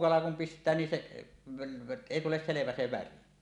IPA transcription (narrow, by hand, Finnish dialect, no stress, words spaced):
kɑlɑ kum pistˑæː nin se eˑi tules seleʋæ se ʋæri